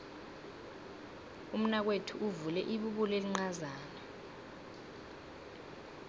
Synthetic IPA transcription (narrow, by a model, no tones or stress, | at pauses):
um̩nak̬wetʰuʔuvulɛʔiɓuɓuleliŋ͡ǀazaːna